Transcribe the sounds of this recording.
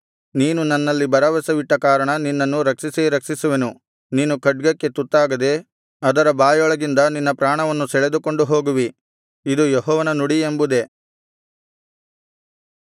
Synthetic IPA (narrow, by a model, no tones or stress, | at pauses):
niːnunɐnːɐlːibɐɾɐʋɐsɐʋiʈːɐkaːɾɐɳɐninːɐnːuɾɐkʂiseɾɐkʂisuʋenu | niːnukɐɖ̚ɡɐkːe̞t̪ut̪ːaːɡɐd̪e̞ | ɐd̪ɐɾɐbaːjɔɭɐɡind̪ɐninːɐpɾaːɳɐʋɐnːusɛɭed̪uko̞ɳɖuɦo̞ːɡuʋi | id̪ujɔɦɔːʋɐnɐnuɽiembud̪e̞